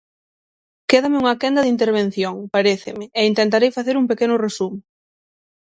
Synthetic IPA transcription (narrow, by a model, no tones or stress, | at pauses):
keðamɪuŋɐkɛnd̪ɐðint̪eɾβ̞en̟θjoŋpaɾeθɪmɪeint̪ent̪aɾejfaθeɾuŋpekenʊresum